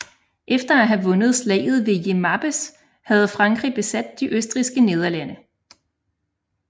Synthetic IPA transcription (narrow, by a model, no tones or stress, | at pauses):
ʔefd̥ɐæɦæʋɔ̽nəð̞̩ˠslɛ̰ːɪð̞̩ˠʋe̝je̝mæb̥əs | hæð̞̩ˠfʁɑ̈ŋɡ̥ʁib̥e̝sæd̥ːiʔøsd̥ʁisɡ̥əne̝ð̞ˠɐlænə